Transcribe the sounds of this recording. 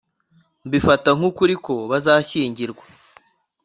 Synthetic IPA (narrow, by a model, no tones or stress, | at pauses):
mbifataŋ̥hukuɾiko̞βazaːçiːɲɟiɾɡwa